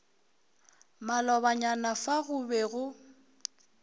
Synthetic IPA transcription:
malɔβaɲanafaɣʊbɛɣʊ

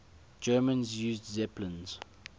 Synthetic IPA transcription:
d͡ʒɜːmə̃nzjuːzdzɛplə̃nz̥

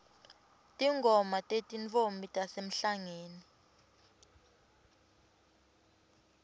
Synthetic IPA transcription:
tʼiŋɡʱɔmatʼetʼint͡fombʱitʼasem̩ɬaŋeːni

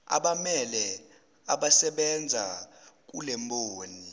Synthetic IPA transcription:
a̰ɓamɛlɛ | aɓasɛɓɛnd͡zʱak̬ulɛmbʱoːni

